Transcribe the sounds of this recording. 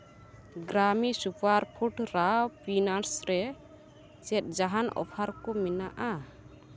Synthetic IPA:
ɡɾamisupaɾpʰuʈɾapʰinaɾsɾɛ | t͡ʃɛt̪̚ˀd͡ʒaɦanɔ̰pʰaɾkɔmɛnaʔa

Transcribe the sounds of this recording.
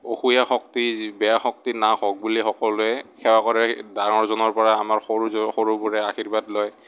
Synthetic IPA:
oxujaxɔk̚tibɛaxɔk̚tinaxɔɡ̚bulixɔkɔlʊɛkʰɛwakɔɹɛdanɔɹzɔnɔɹpɔɹaːmaɹxoɹuxoɹubɔɹɛaxiɹbatlɔj

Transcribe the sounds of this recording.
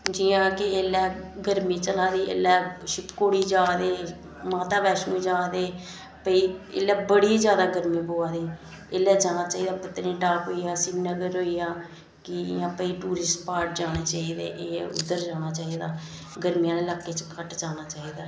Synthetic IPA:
d͡ʒɪːãːkɪeːlːɛːɡəɾmĩːt͡ʃəlaːd̪iːʔḛlɛːʃɪpkoːɽiːd͡ʒaːd̪eː | maːt̪aːbɛːʃnũːd͡ʒaːd̪eː | pəiːḛːlːɛːbəɽiːzjaːd̪aːɡəɾmĩːboːaːd̪iː | eːlɛːd͡ʒaːnaːt͡ʃaːiːd̪aːpɪt̪ːnĩːʈaːkɦoːiːaːsɪnnəɡəɾɦoːiːaː | kɪɪ̰jãːpəiːʈuːɾɪsʈpaːɾʈ̚d͡ʒaːneːt͡ʃaːiːd̪ḛːʔeːʊ̰d̪ːəɾd͡ʒaːñaːt͡ʃaːiːd̪aː | ɡəɾmijãːneːlaːkːeːt͡ʃkʰəʈd͡ʒaːnaːt͡ʃaːiːd̪aː

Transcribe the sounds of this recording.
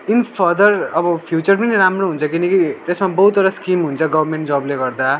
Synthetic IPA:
inpʰʌd̪ʌrʌbʌpʰjut͡sʌrpʌniɾamroɦunt͡sʰʌkinʌkit̪esmabʌɦut̪ʌɾʌskimɦunt͡sʰʌɡʌbrmeɳʈd͡zʌbleɡʌrd̪a

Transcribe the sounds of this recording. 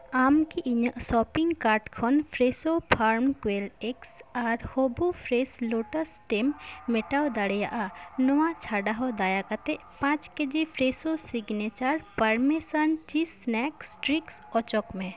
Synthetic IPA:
aːmkiʔiɲəsɔpiŋɡkaɾʈkʰɔnpʰɾesopʰaɾmkweleksaɾhobupʰɾesloʈəsʈemːeʈaod̪aɽjaʔanɔwãt͡ʃʰaɖaɦɔd̪ajakət̪e | pãt͡ʃked͡ʒipʰɾesosiɡnet͡ʃaɾpəɾmesənt͡ʃisnɛksʈɾiksɔt͡ʃɔkmẽ

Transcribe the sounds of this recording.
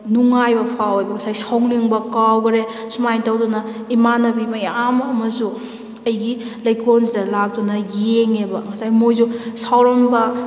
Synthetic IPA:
nuŋajbɐpʰawɐjbɐkɐsajsawŋniŋbɐkawɡɾesumajtɐwdunɐimanɐbimɐjamɐmɐsu | ɐjɡi | lɐjkʰonsdɐlak̚tunɐjeŋebɐŋɐsajmojzusawɾɐmbɐ

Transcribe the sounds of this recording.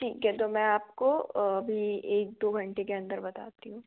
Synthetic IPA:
ʈʰiːkɛt̪omɛ̃aːp̚koɐbʱieːk̚d̪oːɡʱɐ̃ɳʈekeɐ̃nd̪əɾbɐt̪a̰ːt̪iɦũː

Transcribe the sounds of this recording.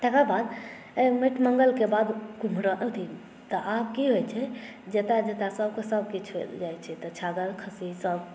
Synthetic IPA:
t̪ekabad̪ | miʈʰməŋɡəlkebad̪kum̤ɾəʔət̪ʰi | t̪ɔʔab̚kiɦojt͡ʃʰɛ | d͡ʒet̪ad͡ʒet̪asəb̚kesəbkit͡ʃʰed͡ʒajt͡ʃʰɛt̪ɔt͡ʃʰaɡəɾkʰəsisəb

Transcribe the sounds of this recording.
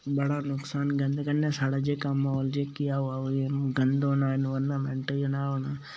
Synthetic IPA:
bɐɽanʊksaːnɡɐ̃nd̪kɐnesaːɽad͡ʒekamaɦɔːld͡ʒekijaɦʊaoeɡɐ̃nd̪oːnaːɪnʋəɾnamɛ̃ɳʈeonaɦoːnaː

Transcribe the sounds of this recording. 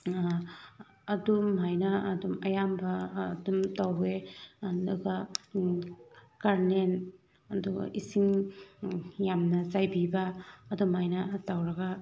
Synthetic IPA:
ɐdumːajnɐɐdumɐjambɐdumtaweduɡɐ | kaɾnen | ɐduɡ̰ʔisiŋ | jamnɐzajbibɐːdumajnɐtawɾɐɡa

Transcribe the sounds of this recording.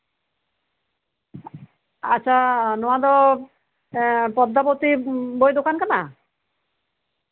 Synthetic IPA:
a̰ːɕʰanɔad̪ɔ | pɔd̪ːapot̪ibojd̪okankana

